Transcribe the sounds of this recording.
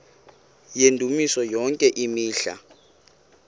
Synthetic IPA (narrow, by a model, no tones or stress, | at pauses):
jendʱumisɔjɔŋkʼɛʔimiːɬa̰